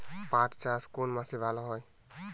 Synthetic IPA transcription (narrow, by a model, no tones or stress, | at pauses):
paʈʰt͡ʃaskonmasibalɔɦɔj